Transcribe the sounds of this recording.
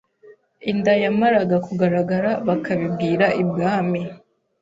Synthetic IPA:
indajamaɾaɡakuɡaɾaɡaɾaβakaβibɡiːɾaʔibɡaːmi

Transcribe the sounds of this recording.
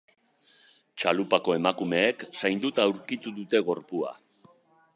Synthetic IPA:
t͡ʃalupako̞e̞makume̞ːksajnd̪ut̪awɾkit̪uðut̪e̞ɣ̞o̞ɾpua̰

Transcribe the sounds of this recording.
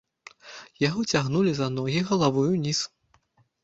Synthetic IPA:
jaɣɔt͡sʲaɣnulʲizanɔɣʲiɣɐlˠavujunʲis

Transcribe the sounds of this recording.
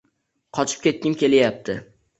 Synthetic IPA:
qʰɒt͡ʃʰɪ̥p̚kʲe̞t̪̚kʲɪmkʲe̞lɪjap̚t̪ʰɪ

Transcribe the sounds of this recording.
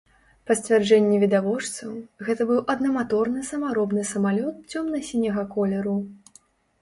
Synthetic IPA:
pɐsʲt͡sʲvʲard͡ʐɛnʲːɛvʲid̪avɔʂt̪sɐwɣɛt̪ɐbɨwʔɐd̪nɐmat̪ɔrnɨsɐmaɾɔbnɨsɐmalʲɔt̪̚t͡sʲɔmnɐsʲinʲɐɣɐkɔlʲɛɾu

